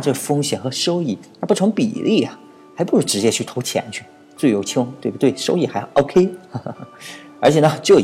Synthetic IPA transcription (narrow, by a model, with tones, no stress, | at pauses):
ʈ͡ʂɤ˥˩ə˩fɤ˥ŋɕjɛ˨˩nxɤ˧˥ʂo˥ʊi˥˩t̪ʰa˥˧pu˥˩ʈ͡ʂʰʊ˧˥ŋpḭ˨˩lʔi˥˩ɐ˩ | xa˧˥ɪpu˧˥ʂɻ̩˥˩ʈ͡ʂɻ̩˧˥t͡ɕjɛ˥t͡ɕʰy˥˩t̪ʰo˧˥ʊt͡ɕʰjɛ̰˧˥nt͡ɕʰy˥˩ | t͡swe˥˩jo˧˥ʊt͡ɕʰi˥ŋt̪we˥˩ɪbu˩t̪we˥˩ɪʂo˥ʊi˥˩xa˧˥ɪ˧˩ʔo˥ʊkʰe˥ɪ˩ | ə˞˧˥t͡ɕʰjɛ˨˩nə˧˦t͡ɕjo˥˩ʊ